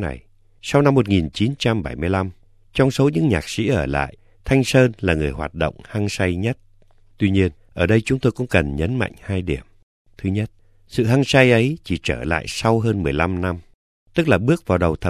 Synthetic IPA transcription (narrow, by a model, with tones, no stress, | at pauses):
na̰˨˩j | sa˧wna˧mːo˨˩t̚ŋi˨˩nt͡ɕi˨˦nt͡ɕa˧mɓa˧˩jmɨ˧əjla˧m | t͡ɕɔ˧wŋ͡mso˨˦ɲɨ̰˧˥ŋɲaː˨˩k̚sḭ˧˥ʔəː˧˩la̰ː˧˨j | t̪ʰa˧jŋ̟səː˧nlaː˨˩ŋɨ˨˩əjhwaː˨˩t̚ɗo̰˧˨wŋ͡mha˧ŋsa˧jɲə˦˥t̚ | t̪wi˧ɲi˧ənʔəː˧˩ɗə˧jt͡ɕʊ˨˦ŋ͡mt̪o˧jkʊ̰˧˥ŋ͡mkə˨˩nɲə˨˦nma̰˧˨jŋ̟haː˧jɗi˧˩əm | t̪ʰɨ˨˦ɲə˦˥t̚ | sɨ̰˧˨ɦa˧ŋsa˧jʔə˨˦jt͡ɕi˧˩t͡ɕəː˧˩la̰ː˧˨jsa˧wɦəː˧nmɨ˨˩əjla˧mna˧m | t̪ɨ˦˥k̚laː˨˩ɓɨ˦˥ək̚vaː˨˩wɗə˨˩wt̪ʰə˨˩